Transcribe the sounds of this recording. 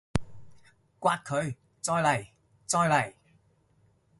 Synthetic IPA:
kwaː˧t̚kʰɵ˨˧ɥ | t͡sɔː˧jlɐ˨˩j | t͡sɔː˧jlɐ˨˩j

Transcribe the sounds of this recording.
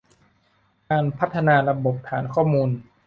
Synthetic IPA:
kaː˧npʰa˦˥t̪ʰːa˧naː˧ɾa˧bo˨˩p̚t̪ʰɛː˩˦nkʰɔː˥˩muː˧n

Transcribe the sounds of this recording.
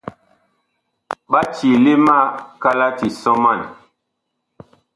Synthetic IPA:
ɓa˦t͡ʃi˨li˦ma˦˨ka˦la˦ti˨sɔ˦ma˦˨n

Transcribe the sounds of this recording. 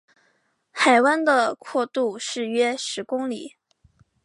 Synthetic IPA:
xa˨˩ɪwa˥nd̪ə˨kʰwɔ˥˧t̪u˥˧ʂɻ̩˥˩ɥɛ˥ʂɻ̩˧˥kʊ˥ŋli˨˩˦

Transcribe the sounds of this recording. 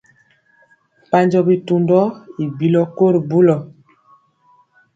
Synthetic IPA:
pa˦ɲd͡ʒɔ˦bi˨tu˨ndɔ˦i˨bi˦lɔ˦ko˦ɾbu˦lɔ˨

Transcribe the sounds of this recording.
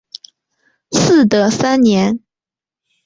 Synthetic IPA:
sɹ̩˥˩d̪ə˨˩sa˥nnjɛ˧˥n

